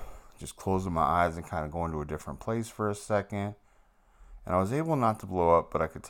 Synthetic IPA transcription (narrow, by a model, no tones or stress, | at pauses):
d̥ʒ̥ʌskʰl̥oʊzɪ̃ŋmaɪʔaɪzɨ̃nkʰãɪ̃ndəɡoʊɪ̃ŋtəɨdɪfɹə̃npʰl̥eɪsfə˞ɨsɛkɨ̃nd̥ | ɨ̃nʔaɪwʌzeɪbl̩ˠnətʰəbloʊʌp̚b̥ʌɾaɪkʰɨd̚tʰ